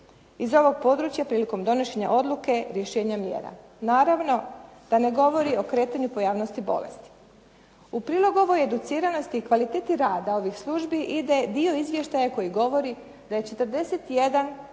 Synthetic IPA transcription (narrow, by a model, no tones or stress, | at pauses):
izo̞ʋo̞ɡ̚po̞d̪ɾut͡ɕjapɾiːliko̞md̪o̞noʃe̞ɲa̰ʔo̞d̪lˠuke̞ɾjeʃe̞ːɲamjḛːɾa̰ | naːɾaʋno̞d̪̥ane̞ɡo̞ʋo̞ɾio̞kɾe̞ːt̪aɲupo̞jaːʋnost̪ibo̞̰le̞̰st̪i̥ | upɾiːlˠo̞ɡuo̞ʋo̞jed̪ut̪siːɾano̞st̪iːkʋalit̪eːt̪iɾaːd̪ao̞ʋixslˠuʒbiʔid̪e̞d̪io̞izʋje̞ʃt̪ajako̞jiɡo̞ʋo̞ɾi | d̪̥aje̞t͡ʃe̞t̪əɾd̪e̞set̪je̞d̪an